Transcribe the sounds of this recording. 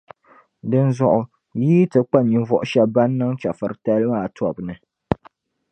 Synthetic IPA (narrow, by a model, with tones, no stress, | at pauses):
dɨ˦nzʊ˦ʔʊ˨ | jiː˦tɨ˨k͡pa˦˨ɲi˨ɱvɔ˨ʔʊ˨˦ʃɛ˦ba˦nː˦ɨ˦ŋt͡ʃa˨fɨ˨ɾɨ˨ta˦lɨ˦ma˦˨tɔ˨bnɨ˨